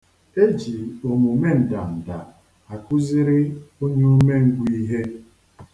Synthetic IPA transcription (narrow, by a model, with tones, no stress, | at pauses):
e˦d͡ʒi˨o˨mu˨me˦n̩˨da˨n̩˨da˨ | a˨kʊ˦zi˦ɾɪ˦o˦ɲe˦o˦me˦ŋ̩˦ɡʷu˦i˦ɦe˦